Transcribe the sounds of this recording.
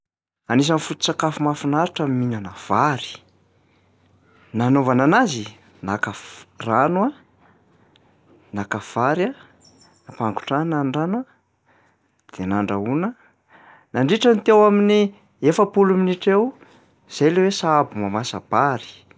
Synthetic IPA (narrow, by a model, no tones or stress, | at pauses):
anis̬anfut̪u̥t͡sakafumafunaɾiʈ͡ʂamminanav̥aɾi̥ | nanovananazi | nakafranwa | nakav̥aɾa | apaŋɡu̥ʈ͡ʂanaɳɖ͡ʐanwa | d̪̥enaɳɖ͡ʐaunə | naɳɖ͡ʐiʈ͡ʂanit̪ewamini | efəpuluminiʈ͡ʂew | z̥ajlewesaabumamasab̥aɾi̥